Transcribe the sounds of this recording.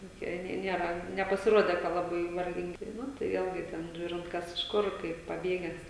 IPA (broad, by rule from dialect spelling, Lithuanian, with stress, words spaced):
toːˈkʲiɛ ˈnʲɛɪ ˈnʲiɛrɐ nʲɛpɐsʲɪˈruɔdʲɛ kɐ lˠɐˈbɐɪ ʋɐrʲˈɡʲɪŋʲɡʲɪ ˈnʊ tɐɪ ˈʋʲeːlʲɡʲɪ ˈtʲɛn ˈʒʲuːrʲɪnt ˈkɐs ɪʃ ˈkʊr ˈkɐɪp pɐˈbʲeːɡʲɛs